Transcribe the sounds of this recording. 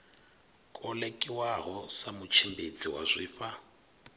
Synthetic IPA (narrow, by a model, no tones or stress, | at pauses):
kʼɔlekʼɪwaɣɔsamʊt͡ʃʰimbet͡sʼiwa̰zʷiːfa